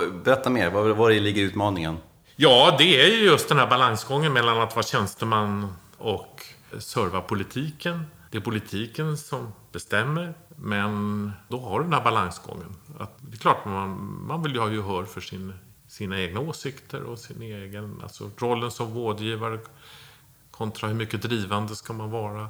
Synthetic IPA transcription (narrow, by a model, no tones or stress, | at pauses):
bɛɾɛt̪ːameːɾvavaɾɛlɪɡːəɾʉt̪mɑːnɪŋə̰n | jɑːd̪ɛæɾjɵjɵst̪d̪ɛnhæɾbalaŋsɡɔŋːənmɛlːanat̪vɑːaɕɛnst̪əmanː | ɔk | sœɾvapʰʊlɪt̪ʰiːkənd̪̥ɛæɾpʰʊlɪt̪ʰiːkənsɔmb̥ɛst̪ɛmːəɾmɛnd̪ɔhaɾɖɖɛnhæɾbalaŋsɡɔ̰ŋːəna̰t̪d̪ɛkʰlɑːʈanmanvɪljəhɑːjɵɦœːɾfœʂɪn | siːnaeːɡnaoːsɪkt̪ʰə̰ɾɔsɪneːɡəna̰lsɔ̰ɾɔlːənsɔmɾoːd̪jiːvaɾə | kʰɔnt̪ʰɾahɵɾmʏkːəd̪ɾiːvand̪əskamanvɑːɾa